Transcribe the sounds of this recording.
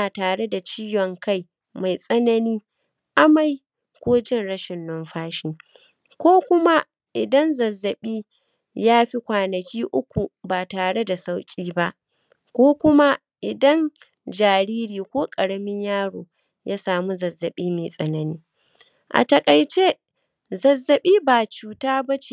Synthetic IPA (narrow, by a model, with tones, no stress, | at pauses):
aː˨taː˨ɽe˦da˨t͡ʃiː˦jɔ˨ŋka˦˨j | ma˨jsʼɐ˦nɐ˦niː˦ | ʔa˦ma˨j | kʷoː˦d͡ʒɪ˦nɽɐ˦ʃɪ˨nːɔ˦nɸaː˦ʃiː˨ | kʷoː˦kʷʊ˦ma˦ | ʔɪ˨dɐ˦nzɐ˨zːɐ˨ɓiː˦ | jaː˦ɸi˦kʷaː˨nɐ˨kʲiː˦ʔʊ˦kʷu˨baː˨taː˨ɽe˦da˨sa˦wkʲʼiː˦ba˦ʔ | kʷoː˦kʷʊ˦ma˦ | ʔɪ˨dɐ˦n | d͡ʒaː˨ɾiː˦ɾiː˨kʷoː˦kʼɐ˨ɽɐ˦mɪ˦ɲjaː˦ɽoː˨ | jʔaː˦saː˨mu˦zɐ˨zːɐ˨ɓiː˦meː˨sʼɐ˨nɐ˨niː˦ | ʔa̰˨tɐ˨kʼa˨jt͡ʃe˦ | zɐ˨zːɐ˨ɓiː˦baː˨t͡ʃuː˨taː˦bɐ˦t͡ʃe˦˨